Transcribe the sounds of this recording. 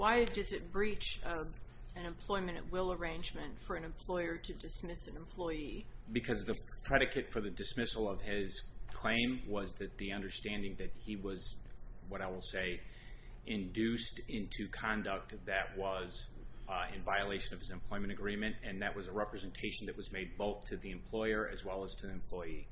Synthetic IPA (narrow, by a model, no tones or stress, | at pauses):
waɪdʌzɨt̚b̥ɹit͡ʃʌv | ɨ̃nɨ̃mpʰl̥ɔɪmɨ̃nʔwɪlˠə˞ẽɪ̃nd͡ʒmɨ̃ntfə˞ɨ̃nɨ̃mpʰl̥ɔɪə˞ɾɨdɨsmɪsɨ̃nə̃m̩pʰl̥ɔɪibɨkʰʌzðɨpʰɹ̥ɛɾɨkɨtfə˞ðɨdɨsmɪsl̩ˠʌv̥ɪz̥kʰl̥ẽɪ̃mwʌzðɨt̪̚ðiʌ̃ndə˞stæ̃ndɪ̃ŋðɨt̚hiwʌz | wʌɾaɪwəlˠseɪ | ʔɪ̃ndʉstɪ̃ntʰʉkʰɑ̃ndɨk̚t̪̚ðɨʔ̚wʌz | ɨ̃nvaɪɨəleɪʃɨ̃nʌv̥ɨzɨ̃mpʰl̥ɔɪmɨ̃ɾ̃ɨɡɹĩmɨ̃ntɨ̃nðɨʔ̚wʌzəɹɛpɹɨzɨ̃n̩tʰeɪʃn̩ðɨʔ̚wʌzmeɪd̚boʊθtʰɨðiɨ̃mpʰl̥ɔɪə˞ʔɨ̰zwɛlˠəz̥tʰɨðiɨ̃mpʰl̥ɔɪi